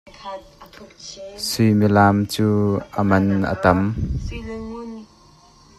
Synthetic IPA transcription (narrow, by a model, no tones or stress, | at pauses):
sʊjmilaːmt͡suːʔəmɐnə̰t̪ɐm